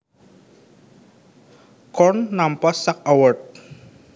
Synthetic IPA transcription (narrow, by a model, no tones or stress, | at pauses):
kɔnːampasak̚awərt̪̚